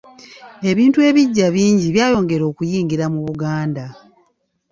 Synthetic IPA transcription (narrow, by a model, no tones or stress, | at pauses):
e̞βiːntue̞βiɟːaβiːɲɟiβjaːjo̞ːŋɡe̞ɾo̞ːkujiːŋɡiɾamuβuɡaːnda